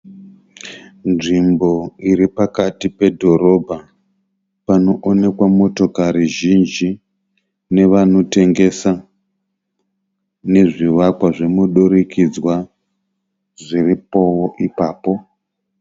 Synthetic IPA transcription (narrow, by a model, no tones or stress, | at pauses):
nʐimbo̞iɾipakatipe̞dʱo̞ɾo̞bʱa | pano̞ʔone̞kwamo̞to̞kaɾiʒind͡ʒi | ne̞ʋano̞te̞ŋɡe̞sa | ne̞ʐiʋakwaʐemuɗoɾikʰid͡zwa | ʐiripo̞woʔipaːpo̞